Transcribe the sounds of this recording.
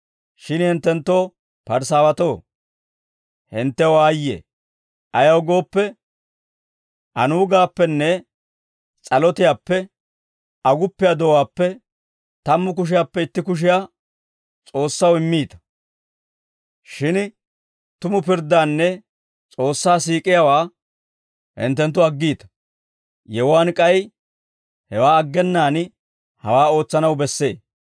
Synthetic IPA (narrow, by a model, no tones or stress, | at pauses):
ʃɪnhɪnt̪ːɛnt̪ːo̞ː | pɐɾs̬aːwɐt̪o̞ː | hɪnt̪ːɛwaːjːḛː | ɐjɐwɡo̞ːpːɛ | ʔɐnuːɡaːpːɛnːɛ | t͡sʼɐlɔt̪ɪjaːpːɛ | ɐɡʊpːɪjaːd̪ɔwaːpːɛ | t̪ɐmːʊk̬ʊʃ̬ɪjaːpːɛɪt̪ːɪkʊʃ̬ɪjaː | t͡sʼo̞ːsːɐwɪmːiːt̪ɐ̥ | ʃɪn | t̪ʊmʊpɪɾd̪aːnːɛ | t͡sʼo̞ːsːaːsiːkʼɪjawaː | hɪ̰nt̪ːɛnt̪ːʊɐɡːiːt̪ɐ̥ | jɛwaːnkʼɐj | hɛwaːɐɡːɛnːaːn | hɐwaːo̞ːt͡sːɐnɐwbɛsːe̞ː